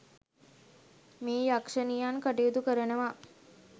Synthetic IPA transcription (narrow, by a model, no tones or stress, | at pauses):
miːjakʂənijankəʈijud̪ukəɾənəʋa